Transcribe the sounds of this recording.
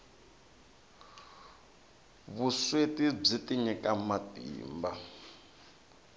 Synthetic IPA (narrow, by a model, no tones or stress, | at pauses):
βuswetib͡ʐitiɲɛkʼamatḭːmba